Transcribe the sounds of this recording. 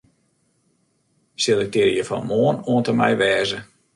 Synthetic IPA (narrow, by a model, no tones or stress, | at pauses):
sɪlˠɪk̚dɪrjəfɔ̰nmoːənoəntəmɛ̰jʋɛːzə